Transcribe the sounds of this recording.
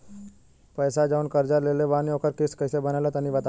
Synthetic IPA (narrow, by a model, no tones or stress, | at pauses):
pəjsad͡ʑaunkəɾd͡ʑaɾleleʋaniokʰəɾkiskəjsebənalət̪janːiʋat̪a